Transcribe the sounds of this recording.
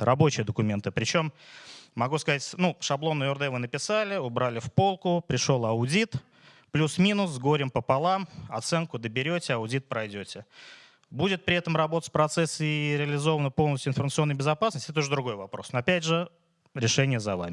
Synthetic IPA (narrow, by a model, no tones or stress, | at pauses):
rɐbo̞t͡ɕɪjəd̪əkʊmʲe̞nt̪ɨpɾʲɪt͡ɕo̞mː | ɐɡuskɐzatʲnuʂɐblˠo̞nːʊjɔrd̪ɛvɨnəpʲɪsalʲɪʊbɾalʲɪfpo̞lˠkʊpɾʲɪʂo̞lˠɐʊdʲit̪ | plʲusmʲinʊszɡo̞ɾʲɪmpəpɐlˠamɐt̪sɛnkʊd̪əbʲɪɾʲotʲɪɐʊdʲit̪̚pɾɐjdʲotʲɪ | budʲɪt̪̚pɾʲɪɛt̪əmrɐbo̞t̪ə̥spɾɐt̪sɛsːiɾʲɪəlʲɪzo̞vənəpolˠnəsʲtʲʊɪnfərmət̪so̞nːjbʲɪzɐpasnəsʲtʲɛt̪ʊʐəd̪ɾʊɡo̞jvɐpɾo̞snoɐpʲædʲʐɨ | ɾʲɪʂɛnʲɪjəzɐva̰mʲɪ